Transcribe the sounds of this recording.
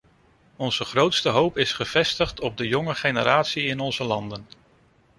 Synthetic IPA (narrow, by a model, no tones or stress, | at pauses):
ɔnz̥əχrowtstəɦowpɪsχəv̥ɛstəχtʰɔb̚dəjɔŋəχejnəɾaːtsiɪnɔnzəlɑndən